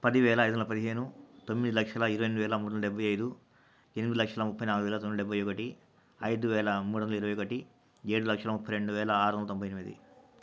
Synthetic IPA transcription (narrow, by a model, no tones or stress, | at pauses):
pɐd̪iʋɛːlɐːjd̪unɐlɐpɐd̪iɦe̞ːnut̪o̞mːid̪ilɐkʂɐlɐiɾɐʋɐjnːuʋɛːlɐmuːɾɽnlɐɖɛbʱːɐjɐjd̪u | enimid̪ilɐkʂɐlɐmupʰːɐjnaːluɡuʋɛːlɐt̪omid̪ɖɛbʱːɐjɔkɐʈi | ɐjd̪uʋɛːlɐmuːɽond̪lɐiɾɐʋɐjɔkɐʈi | eːɽulɐkʂɐlɐmupːɐjɾeɳɖuʋɛːlɐaːɾunlɐt̪ombʱɐjenimid̪ḭ